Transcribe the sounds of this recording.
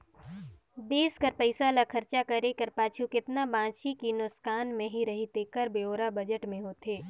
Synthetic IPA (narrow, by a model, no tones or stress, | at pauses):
d̪eːskəɾpəɪsalakʰɐɾt͡ʃakɐɾekɐɾpaːt͡ʃʰukɪt̪nabãːt͡ʃʰikinʊskʰaːnmẽɦiɾɐɦit̪eːkəɾbeoːɾabɐd͡ʒəʈmẽɦoːt̪eː